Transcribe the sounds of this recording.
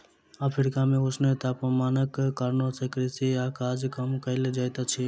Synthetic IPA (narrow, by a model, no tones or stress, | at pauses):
apʰɾɪkamẽʊsnet̪apəmaːnəkkəɾnosʰekɾisijakad͡ʒkəmkəɪled͡ʒajt̪at͡ʃʰi